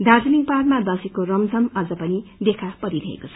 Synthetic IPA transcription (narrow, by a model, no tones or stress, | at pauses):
d̪ʱard͡zʌniŋpaɾmad̪ʌsikorʌmd͡zʱʌmʌd͡zʌpʌnid̪ekʰapʌɾiɾʌḛkot͡sʰʌ̥